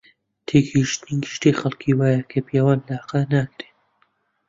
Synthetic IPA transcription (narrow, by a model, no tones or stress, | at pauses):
t̪ʰeːkiʃt̪ɨniɡɨʃt̪exɐlˠkʰiwaːjakʰɐpijawaːnlaqɐnaːkɾe